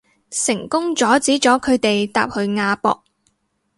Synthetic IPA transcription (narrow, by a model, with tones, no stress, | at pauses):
sɪ˨˩ŋkʊ˥ŋt͡sɔː˨˥t͡siː˨˥t͡sɔː˨˥kʰɵ˨˧ɥt̪e˨jt̪a̰ː˨p̚hɵ˨˧ɥŋaː˧pɔ̰ː˧k̚